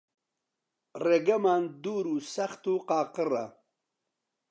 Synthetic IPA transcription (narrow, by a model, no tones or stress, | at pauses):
reɡɐmaːnd̪uːɾuːsɐxt̪uqɑːqɨra̰